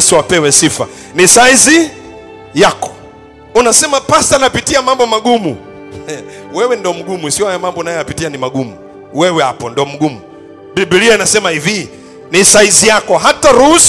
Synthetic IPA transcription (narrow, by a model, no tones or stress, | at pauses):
suwapɛwɛsifa̰ | nisaizi | jakɔ̥ | unasɛmapasanapitiamambɔmaɡumu | wɛwɛndɔm̩ɡumuisiɔhajɔmambɔnajɔapitianimaɡumu | wɛwɛhapɔndiɔm̩ɡumu | bibiliainasɛmaivi | nisaizijakɔɦataɾuhus